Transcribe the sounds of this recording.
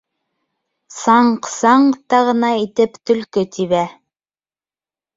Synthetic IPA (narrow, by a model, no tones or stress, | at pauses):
sɑɴqsɑɴt̪ɑʁɤ̆nɑit̪ɘpt̪ɵ̆lkɵt̪iβæ